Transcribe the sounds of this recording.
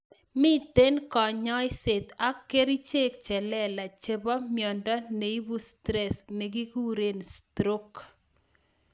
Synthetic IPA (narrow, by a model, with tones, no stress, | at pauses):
mɪ˦t̪e˦nkɔ˨ɲɔ˦jse˨t̪a˦kːe˦ɾi˦t͡ʃe˦kt͡ʃɛ˨lɛ˦˨la˨t͡ʃe˦bɔ˦mjɔ˨ndɔ˦ne˨i˦bu˦stɾɛ˨sne˨k̬i˦ku˦ɾe˨nstɾo˦k